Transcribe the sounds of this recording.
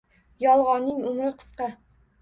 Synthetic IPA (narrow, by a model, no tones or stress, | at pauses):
jɒlˠʁɑnːɪŋʊmɾɪqʰɨ̥sqɑ